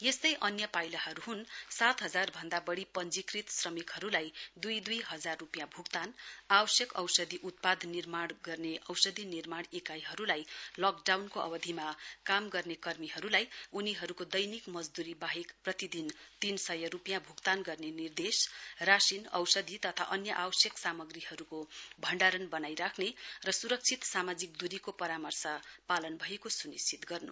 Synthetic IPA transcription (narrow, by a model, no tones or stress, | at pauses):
jest̪ʌjʔʌnjʌpajlaɦʌɾuɦunsat̪ɦʌd͡zarbʱʌnd̪abʌɽipʌnd͡zikrit̪srʌmikɦʌɾulajd̪ujd̪ujɦʌd͡zarːupjãbʱukt̪anabʌsjʌkʌ̰wsʌd̪ʱiʔut̪̚pad̪ʱnirmaɽɡʌrneʔʌwsʌd̪ʱinirmaɽ̃ekajɦʌɾulajlʌkɖawnkoʔʌ̰bʌd̪ʱimakamɡʌrnekʌrmiɦʌɾulajuniɦʌɾukod̪ʌjnikmʌd͡zd̪uɾibaɦikprʌt̪id̪int̪insʌjʌɾupjãbʱukt̪anɡʌrnenird̪esrasinʌ̰wsʌd̪ʱit̪ʌt̪ʰa̰ʔʌnjʌʔabʌsjʌksamʌɡrihʌɾukobʱʌɳɖaɾʌnbʌnajɾakʰnerʌsuɾʌk̚t͡sʰit̪samad͡zik̚d̪uɾikopʌɾamʌrsʌpalʌnbʱʌekosunist͡sʰit̪ɡʌrnṵ